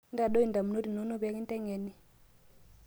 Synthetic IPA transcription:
nda˨ɗo˦i˨nda˨mu˨no˦ɾi˨no˨˦no˦ba˦ki˦n˦tɛ˦ŋɛ˨ni˦

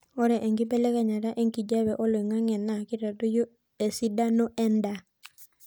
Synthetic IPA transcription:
ɔ˦ɾɛ˨ʔe˨ŋɡi˦bɛ˦lɛ˦ka˨ɲa˨ɾa˦ʔe˦ŋki˨d͡ʒa˦βɛ˨ʔɔ˦lwe˨ŋa˦ŋɛ˨na˨ki˦ɾa˨tu˦jo˦ | e˨si˦da˦no˦ʔɛ˦nda˨

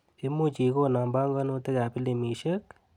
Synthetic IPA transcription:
i˦mu˦˨t͡ʃi˨ko˦˨na˨mba˦ŋɡɔ˦no˦te˦ka˨pi˦le˨mi˨ʃə˦k

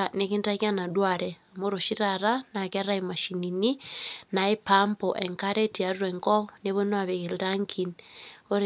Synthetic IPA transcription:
ne˦ki˦nta˦kja˦na˨dwa˨ɾɛmo˦ɾo˨ʃi˦ɾaɾa˦na˨ka˦ɾa˦ima˨ʃi˨ni˨ni˦na˨e˦pampɔʔɛŋka˦ɾɛ˦ti˨a˨ɾwɛ˨ŋkɔ˦ne˦βo˦nwa˨βe˨ɣe˨ɾaŋkʰino˦ɾ

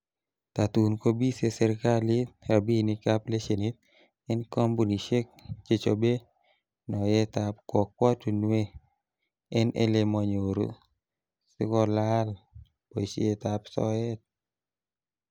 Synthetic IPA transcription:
t̪a˨t̪u˨nko˦bi˦se˦sɛ˨ɾka˦li˦t̚a˨bi˦ni˦ka˦ple˦ʃe˨ni˦t̪̚ | ɛ˦nkɔ˦mbu˨ni˨ʃe˦k̚t͡ʃe˨t͡ʃo˨be˦ | nɔ˨jɛ˦t̪a˨pkwɔ˨k̚ːwɔ˦tu˨nwe˦ | ɛ˦nḛ˦le˨mɔ˨ɲo˨ɾo̰˨ | sɪ˦kɔ˦la˦l | po˨se˦t̪a˨psɔ̰˦ɛ˦t̪̚

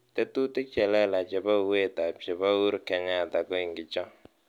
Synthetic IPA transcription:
tɛ˦tu˦tɪ˦t͡ʃɛ˨lɛ˦la˨t͡ʃɛ˨ba˦˨we˦ta˨t͡ʃɛ˨ba˦u˦ɾkɛ˨ɲa˦˨ta˨kɔ˦i˨ŋɡɪ˨t͡ʃɔ˦

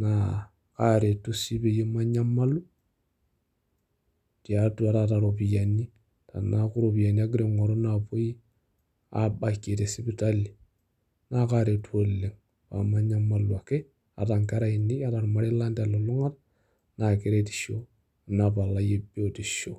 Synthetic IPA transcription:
na˨ | ka˦ɾe˨tu˦si˦be˨ji˦ma˦ɲa˦ma˦lu˦ | ti˨a˨tu˦a˨˦ta˨ta˨ɾo˨pi˨ja˨ni˦ | ta̰˨na˦ku˦ɾo˨bi˨ja˨ni˦a˦ɡi˦ɾe˦˨ŋo˨ɾo˦na˨po˦ji˦ | a̰˦ba˨kːe˨te˨si˦bi˦ta˦li˨ | na˦ka˦ɾe˨tu˦o˦lːe˨ŋ | pa̰˨ma˦ɲa˦mːa˦lu˨a˨ke˦ | a̰˨ta˨ŋka˦ɾa˦i˨ni˦a˦ta˨ɾma˨ɾe˦la˦nda˨lo˨lu˦ŋa˦t | na˨ke˨ɾe˦ti̥˨ʃo˦˨ | na˨pa˨lːa˦je˦bo˦˨ti˨ʃo˨

